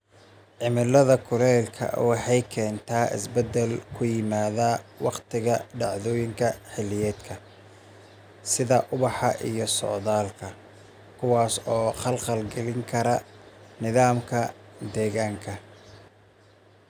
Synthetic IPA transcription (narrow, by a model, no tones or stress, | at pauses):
ʕɪmɪlɐðɐkʰʊlɛːlkʰɐ̰wɑħɑjkʰɛːnt̪ʰaːɪ̰sbɛd̪ɛlkʰʊjɪmaːðawɑqt̪ʰɪɣɐɖɑʕðɔːjɪŋkʰɐħɪlːɪjɛːd̪kʰɐ | sɪðɐʔʊβɑħɑʔijɞsɔ̰ʕðaːlkʰɐ | kʰʊwɑːsɔːχɐlqɐlɡɐlɪŋkʰɐɾɐnɪðaːmkʰɐd̪ɛːɣaːŋkʰɐ